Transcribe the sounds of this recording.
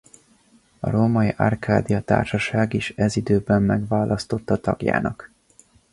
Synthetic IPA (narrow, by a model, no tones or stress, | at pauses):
ɒ̰ɾomɒjiʔɒ̰rkʰaːd̪ijɒt̪a̰ːrʃɒʃaːɡiʃɛzid̪øːbɛmːɛɡʋaːlʔɒst̪o̞t̪ːɒt̪ɒ̰ɡja̰ːnɒk